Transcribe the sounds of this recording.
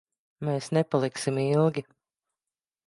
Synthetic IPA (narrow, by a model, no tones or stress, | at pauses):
meːsnɛpalˠiksimilˠɡʲi